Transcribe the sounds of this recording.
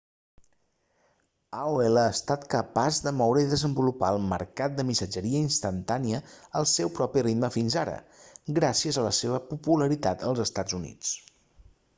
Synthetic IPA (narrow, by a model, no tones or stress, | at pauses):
aoeləːst̪at̪kəpazd̪əmɔwɾəiðəzəmbulupaəlˠmə̰ɾkat̪̚d̪əmisəd͡ʒəɾiəinst̪ənt̪aniəːlˠsɛwpɾɔpirit̪məfinzaɾə̰ɡɾasiəzələseβ̞əpupuləɾit̪at̪ʰəlˠzəst̪ad͡zunḭt͡s